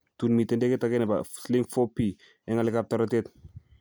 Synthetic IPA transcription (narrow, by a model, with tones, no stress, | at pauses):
tunmi˨te˦nde˦ke˦take˦nɛ˨basli˦ŋfo˦pi | ɛ˦ŋa˦lɪ˦kap̚tɔɾɔte˦t